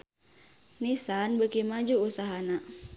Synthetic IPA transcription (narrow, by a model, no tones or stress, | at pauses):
nisanbəkimad͡ʒuːsaɦana